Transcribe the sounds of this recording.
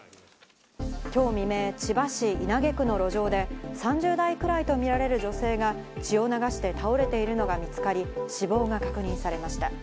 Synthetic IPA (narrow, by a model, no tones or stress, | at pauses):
kʲo̞ːmʲime̞ːt͡ɕibaɕiinaɡe̞kɯ̟no̞ɾo̞ʑo̞ːd̪e̞sãɲ̟d͡ʑɨːd̪aikɯ̟ɾait̪o̞mʲiɾaɾe̞ɾɯ̟d͡ʑo̞se̞ːɡa | t͡ɕio̞naɡaɕi̥t̪e̞t̪ao̞ɾe̞t̪e̞iɾɯ̟no̞ɡamʲit͡sɨ̥kaɾʲiɕibo̞ːɡakakɯ̟ɲ̟ĩɰ̃saɾe̞maɕi̥t̪a